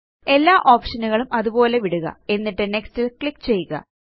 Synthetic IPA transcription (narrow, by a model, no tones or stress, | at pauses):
e̞lːaːʔo̞ːpʂɐnuɣɐɭumʔɐðubo̞ːle̞ʋiɽuɣɐ̰e̞nːiʈːɨne̞kstilkɭikːt͡ɕe̞jːuɣɐ̰